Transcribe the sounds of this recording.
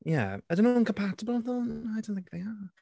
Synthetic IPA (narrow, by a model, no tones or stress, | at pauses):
jæ̰aɪdõnõnŋkʰə̃mpʰatəbəl̩ˠðə̃aɪdõʊ̃nθɪ̃k̚ðeɪə